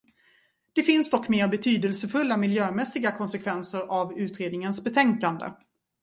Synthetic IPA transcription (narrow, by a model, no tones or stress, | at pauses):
d̪̥ɛfɪnsd̪ɔkːmeːɾbɛt̪ʰyːd̪əlsəfɵlːamɪljøːmɛsːɪɡakʰɔnsɛkʰvɛnsəɾavʉ̟ːt̪ɾeːd̪nɪŋənsbɛt̪ʰɛŋkand̪ə̰